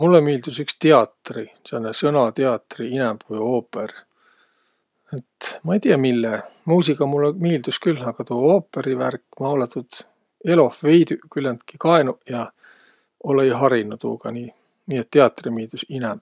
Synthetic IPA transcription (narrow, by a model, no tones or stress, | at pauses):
mulːemiːld̪̥usykst̪eɑt̪risenːesɤnɑt̪eɑt̪ːriinɛmb̥vɨjo̞ːpːer | et̪mɑejt̪iɑmilːemuːsikɑmulːemiːld̪uskylːɑɡ̥ɑt̪uoːpːˑeɾiværkːˑmɑolɑt̪ːˑud̪̥ | e̞lo̞fvejd̪ykylːend̪kikɑenujɑ | olejɦɑɾinut̪ṵːɡ̥ɑniː | niːet̪ːeɑt̪ːrimiːld̪̥usinɛmb̥̚